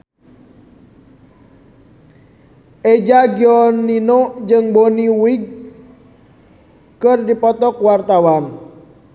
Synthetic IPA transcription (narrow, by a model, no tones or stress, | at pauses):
ʔɛd͡ʒaɡiɔnːinɔd͡ʒɨŋboniwiɡ̚ | kɨrdipɔt̪ɔkwart̪awan